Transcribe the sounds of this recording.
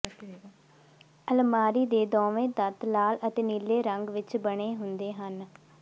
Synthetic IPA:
əlmaːɾiːd̪eːd̪ɔːʋẽːd̪ət̪laːlət̪eːnileːɾəŋɡʋɪt͡ʃbəɽ̃eːɦʊnd̪eːɦən

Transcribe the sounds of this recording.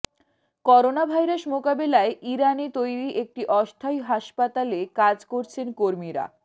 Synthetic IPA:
kɔɾonabʱajɾaʃmokabelaeʔiɾanit̪ojɾiʔek̚ʈiʔɔst̪ʰajɦaʃpat̪alekad͡ʑkoɾt͡ɕʰenkoɾmiɾa̰

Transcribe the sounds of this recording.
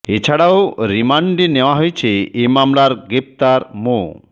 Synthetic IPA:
et͡ɕʰaɽaoɾimaɳɖineoaɦojt͡ɕʰeemamlaɾɡɾep̚t̪aɾmo

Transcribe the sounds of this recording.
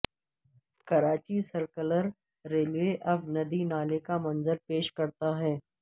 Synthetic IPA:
kɐɾaːt͡ʃisɐɾkələɾː | eːlʋeʔɐbnɐd̪inaːlekamɐ̃nzəɾpeːʃkɐɾt̪aɦɛː

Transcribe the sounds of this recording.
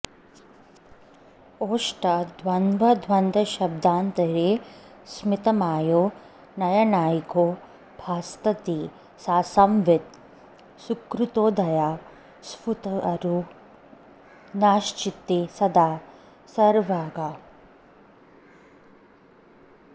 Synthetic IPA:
oːʃʈɐd̪ʱʋɐnʋɐd̪ʱʋɐnd̪ɐʃɐb̚d̪aːnt̪ɐɾeː | smɪt̪ɐmaːjoː | nɐjɐnaːjikoː | bʱaːst̪ɐt̪iː | saːsɐmʋɪt̪̚ | sukɾut̪oːd̪ɐjaː | sput̪ɐɐɾu | naːʃt͡ʃit̪ːesɐd̪aː | sɐɾʋaːɡaː

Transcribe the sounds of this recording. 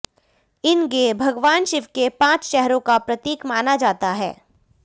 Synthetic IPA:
ɪnɡeːbʱɐɡʋaːnʃɪʋkepãːt͡ʃʃɛɦɾõkapɾɐt̪iːkmaːnad͡ʒaːt̪aɦɛ̰ː

